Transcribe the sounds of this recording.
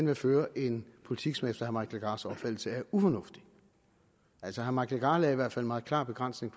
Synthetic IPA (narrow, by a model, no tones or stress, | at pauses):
enʋeføːɐʔe̝npʰo̝li̥t͡sʰiɡ̥sɒ̽mefd̥ɐhæɐmɑ̈ɪkʰelɡ̥ɑ̈ːsɒb̥fæl̰l̩səæɐufɒnɔ̽fd̥i̥ | ʔæl̰sɒhɦæɐmɑ̈ɪkʰelɡ̥ɑ̈ːlɛiʋæɐ̰dfæl̰mɑ̈ːð̩ˠklɑ̰̈ːb̥e̝ɡ̥ʁɑn̰sne̝ŋpʰ